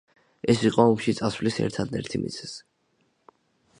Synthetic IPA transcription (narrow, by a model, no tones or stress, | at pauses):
ɛsiqʼɔɔmʃit̪sʼasvlisɛ̰ɾt̪ʰad̪nɛ̰ɾt̪ʰimḭt̪sʰɛ̥s